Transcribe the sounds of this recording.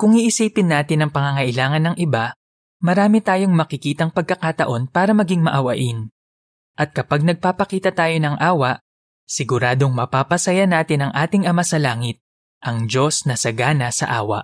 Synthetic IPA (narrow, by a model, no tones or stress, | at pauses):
kʊŋiʔɪsiːpɪnːaːt̪ɪnɐŋpɐŋɐŋɐʔɪlaːŋɐnːɐŋʔɪba | mɐɾaːmit̪aːjo̞ŋmɐkɪkiːt̪ɐŋpɐɡ̚kɐkat̪ɐʔo̞npaːɾɐmɐɡiŋmɐʔɐwɐʔɪn | ʔɐt̪̚kɐpaɡ̚nɐɡ̚paːpɐkiːt̪ɐt̪aːjo̞nɐŋʔaːwɐʔ | sɪɡʊɾaːd̪o̞ŋmɐpaːpɐsɐjanaːt̪ɪnɐŋʔaːt̪ɪŋʔɐmasɐlaːŋɪt̪̚ | ʔɐŋd͡ʒo̞snɐsɐɡaːnɐsɐ̰ʔa̰ːwɐ̰ʔ